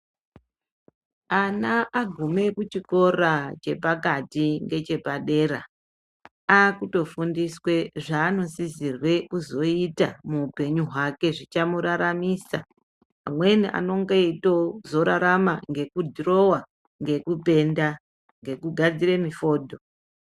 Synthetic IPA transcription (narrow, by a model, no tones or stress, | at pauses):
anaʔaɡʱume̞kut͡ʃiko̞rat͡ʃe̞pakatiŋɡe̞t͡ʃe̞paɗe̞ɾa | akuto̞fundiswe̞ʐaːno̞sizirwe̞kuzo̞itamuːpe̞ɲuɦwake̞ʐit͡ʃamuɾaɾamiːsa̰ː | mwe̞niʔa̰no̞ŋɡoito̞zo̞ɾaɾamaŋɡe̞kudʱro̞wa | ŋɡe̞kupe̞nda | ŋɡe̞kuɡʱad͡ziɾe̞mifo̞ːdʱo̞